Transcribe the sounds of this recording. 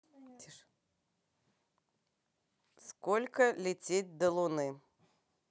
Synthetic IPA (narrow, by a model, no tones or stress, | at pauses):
skɔlʲkɐlʲɪt͡sʲet͡s̚ʲd̪ɐlˠʊnɨ